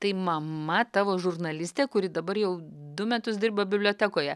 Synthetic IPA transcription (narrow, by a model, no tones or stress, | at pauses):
t̪ɐɪmɐmɐt̪ɑːʋoːʒʊrnɐlʲɪsʲt̪ʲeːkʊɾʲɪd̪ɐbɐɾjɛʊd̪ʊmʲæt̪ʊsd̪ʲɪrbɐbʲɪblʲoːt̪ʲæːkoːjɛ